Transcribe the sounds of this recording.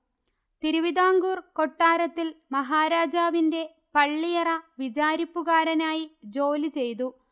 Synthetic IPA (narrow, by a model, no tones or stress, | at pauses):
t̪iɾuʋiðaːŋɡuːrko̞ʈːaːɾɐt̪ːilmɐɦaːɾaːd͡ʑaːʋinde̞ | pɐɭːijɐrɐʋid͡ʑaːɾipːuɣaːɾɐnaːjid͡ʑo̞ːlit͡ɕe̞jt̪̬u